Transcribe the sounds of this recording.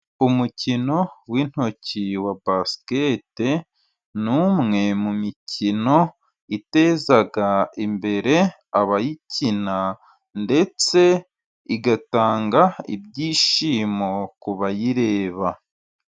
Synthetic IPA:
umucino̞wiːn̥ho̞ciwabaskete | nuːmŋe̞mumicino̞ | ite̞ːzaɡaimbe̞ɾe̞ | aβajicina | nde̞t͡se̞ | iɡataːŋɡaḭbɟiːʃiːmokuβajiɾe̞ːβa

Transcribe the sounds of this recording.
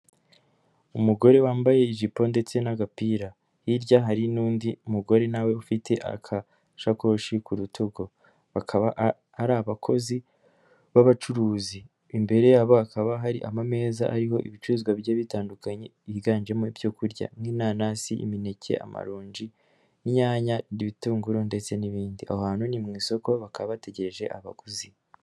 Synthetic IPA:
umuɡo̞ɾe̞waːmbaje̞iʒipo̞nde̞t͡se̞naɡapiːɾa | hiɾɟaɦaɾinuːndiumuɡo̞ɾe̞nawe̞ufitʰe̞ʔa̰kʰa | ʃako̞ʃikuɾutʰoɡo̞ | βakʰaβaː | ɾaβakʰo̞zi | βaβat͡ʃuɾuːziː | mbe̞ɾe̞jaβoakʰaβaɦaɾiʔamame̞ːzaʔaɾiho̞ʔḭβit͡ʃuɾuːzɡwaβjaβitaːndukaɲe̞iβiɡaːnd͡ʒe̞moivjokuɾɟa̰mŋinaːnasiʔḭmine̞cʰe̞̰ʔa̰ma̰ɾoːɲd͡ʒi | iɲaːɲaɾiβituːŋɡuɾonde̞t͡se̞niβiːndiʔa̰hohaːnhunimŋiːso̞ko̞βakaβaβate̞ɟe̞ɾe̞ʒe̞̰ʔa̰βa̰ɡuzi

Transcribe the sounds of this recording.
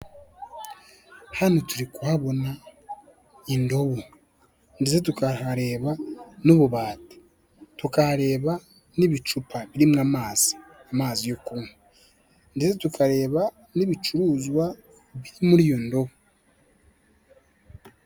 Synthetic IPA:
hanotuɾikuhaβo̞na | indo̞βu | ndesetukahaɾe̞ːβanuβuβaːtḁ | tukahaɾe̞ːβa | niβit͡ʃupʰaβiɾimŋaːmaːz̥i̥ | amaːzijukunu | ndesetukʰaɾe̞ːβa | niβit͡ʃuɾuːzwa | βiɾimuɾijo̞ndo̞βo

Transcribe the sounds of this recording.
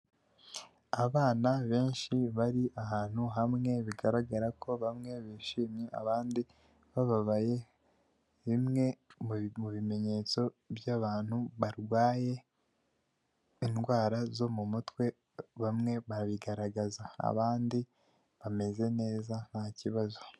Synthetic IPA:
aβaːnaβe̞ːnʃiβaɾiʔaɦaːn̥huɦamŋe̞βiɡaɾaɡaɾako̞βamŋe̞βiːʃiːmɲea̰βaːndi | βaβaβaje̞ | βimŋe̞muβime̞ɲe̞ːt͡so̞bjaβaːnhuβaɾɡwaːje̞ | inɡwaːɾazo̞mumutwe̞ | βamŋe̞βaɾaβiɡaɾaɡazaa̰βaːndi | βame̞ze̞ne̞ːzan̥haciβazo̞

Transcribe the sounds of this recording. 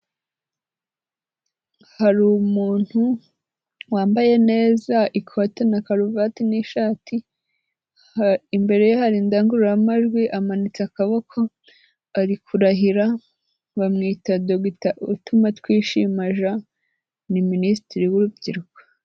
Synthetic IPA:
haɾumuːn̥hu | waːmbaje̞ne̞ːzaikʰo̞tenakaɾuvatiniʃaːtʰi | imbe̞ɾe̞johaɾindaːŋɡuɾuɾamaʒɡwiʔamanit͡seakaβo̞kʰo̞ | aɾikʰuɾaɦiɾa | βamŋiːtadoɡitautumatwiːʃimaʒa | niministiɾiwuɾubɟiɾuko̥

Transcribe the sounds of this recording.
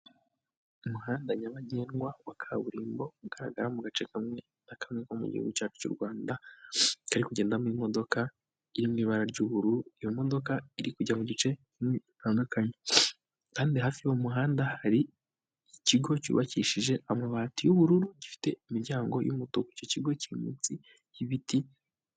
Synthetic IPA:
umuɦaːndaɲaβaɟeːnɡwawakʰaβuɾiːmbo̞uɡaɾaɡaɾamuɡat͡ʃe̞kamŋe̞ | nakamŋekomṵɟḭhṵɡucaːt͡ʃu̥cṵɾɡwaːnda | kaɾikuɟe̞ːndamimo̞do̞ka | iɾimwiːβaɾaɾɟuːβuɾuɾuijo̞mo̞do̞kaiɾikuɟamuɟit͡ʃe̞ | imiitaːndukaɲe | kaːndiɦaːfiomuɦaːndahaɾiː | ciɡo̞cṵβaciʃiʒe̞ʔamaβaːtujuβuɾuɾuɟifi̥te̞imiɾɟaːŋɡo̞̰jṵmutokuico̞ciɡo̞ciimḭt͡si | iβiti

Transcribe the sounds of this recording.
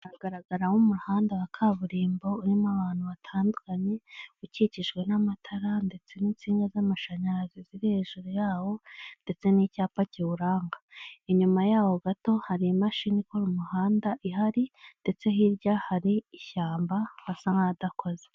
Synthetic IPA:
aɡ̥aɾaɡaɾahumuɾuhaːndawakʰaβuɾiːmbo̞uɾimaβaːn̥huβatʰaːndukaɲe̞uciciʃɡwe̞namatʰaɾande̞t͡se̞niːnt͡siːŋɡazamaʃaɲaɾaziziɾiheʒuɾujaːwo̞nde̞t͡se̞nicaːpaciβuɾaːŋɡaiɲumajaːwoɡato̞haɾimaʃinikoɾumuhaːndaʔiɦaɾinde̞t͡se̞hiɾɟahaɾiːçaːmbaβasaŋadako̞ze

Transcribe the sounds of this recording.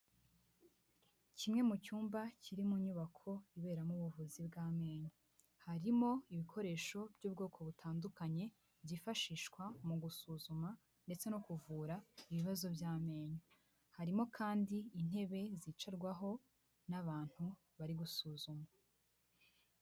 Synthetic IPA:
cimŋe̞mucuːmbaciɾimuɲuβakʰo̞iβe̞ːɾamuβuvuzibɡaːme̞ːɲo | haɾimo̞iβikʰo̞ɾe̞ːʃo̞b̥ɟuːbɡo̞ːkʰo̞βutʰaːndukaɲe̞ | bɟifaʃiːʃkwamuɡusuzuma | nde̞t͡se̞nokuvuːɾaiβiβazo̞bjaːme̞ːɲo | haɾimo̞kʰaːndiːn̥he̞βe̞zit͡ʃaɾɡwaɦo̞ | naβaːn̥hu | βaɾiɡusuːzuma

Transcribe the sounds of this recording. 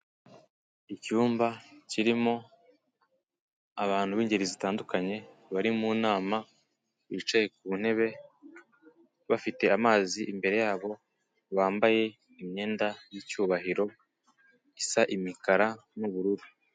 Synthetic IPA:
icuːmbaciɾimo̞ | aβaːn̥huβiːɲɟeɾizitaːndukaɲe̞ | βaɾimuːnaːma | βit͡ʃaje̞k̚uβun̥e̞βe̞ | βafite̞amaːziʔimbe̞ɾe̞jaːβo̞ | βaːmbaje̞ | imɲe̞ːndajicuːβaɦiɾo̞ | isaʔimikaɾanuβuɾuɾu

